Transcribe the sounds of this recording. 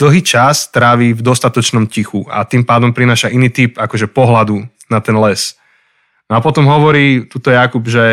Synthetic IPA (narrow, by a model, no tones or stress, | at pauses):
d̪̥l̩ˠɦiːt͡ʃast̪ɾaːʋiːvd̪ɔst̪at̪ɔt͡ʃnɔmcixua̰t̪iːmpaːd̪ɔmpɾinaːʃaʔiniːt̪iːpakɔʒɛpɔɦlad̪u | nat̪ɛnlɛs | nɔapɔt̪ɔmɦɔʋɔɾiːt̪uːt̪ɔjakubʒɛ